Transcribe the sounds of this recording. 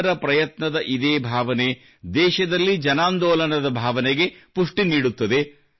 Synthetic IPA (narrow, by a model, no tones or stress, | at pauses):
ɾɐpɾɐjɐt̪nɐd̪ɐʔid̪eːbʱaːʋɐne | d̪ɛːʃɐd̪ɐlːid͡ʒɐnaːnd̪ɔːlɐnɐd̪ɐbʱaːʋɐneɡe̞puʂʈiniːɽut̪ːɐd̪e̞